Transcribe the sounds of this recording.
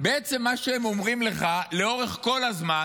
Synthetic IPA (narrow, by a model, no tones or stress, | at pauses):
beet͡se̞mːaʃeemomʁimle̞χale̞o̞ʁeχko̞lazma